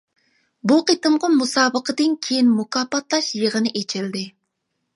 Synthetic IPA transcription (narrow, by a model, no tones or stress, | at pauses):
buqet̪ɨmʁɑmusɑːbəqʰəd̪ɪnkʲʰejinmukɑːpɑt̪lˠɑʃjəʁənɪʔet͡ʃʰɪld̪ɪ